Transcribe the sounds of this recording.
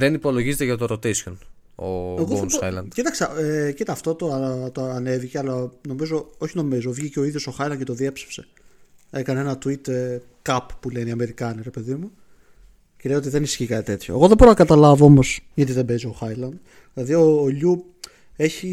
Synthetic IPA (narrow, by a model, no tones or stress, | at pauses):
ðenipo̞lo̞ʝizet̪eʝɐt̪oɾot̪esion | o̰eoosɐjlɐ̰nd̪̥cit̪ɐksɐecit̪ɐːft̪ot̪o̞ɐt̪oɐne̞viceɐlɐno̞mizo̞o̞çino̞mizo̞vʝiceo̞iðjo̞soxɐilɐncet̪oðie̞pse̥fse̞ | e̞kɐneenɐt̪uit̪kɐppuleniɐme̞ɾikɐniɾe̞pe̞ðimu | clejo̞t̪iðe̞nisçikɐt̪it̪e̞t̪ço̰e̞ɣoðebo̞ɾonɐkɐt̪ɐlɐvoo̞mo̞sʝɐt̪iðebe̞zioxɐjlɐnd̪ | ðilɐðio̞ːʎu | e̞çi